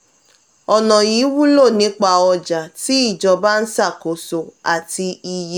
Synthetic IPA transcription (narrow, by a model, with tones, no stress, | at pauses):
ɔ˨nɔ̃˨ji˨˦wu˦lo˦˨nĩ˨˦k͡pa˧˨ɔ˧d͡ʒa˨ti˨˦i˦˨d͡ʒɔ˧ba˦n̩˦sa˦˨ko˨˦so˧a˨ti˧i˧je˦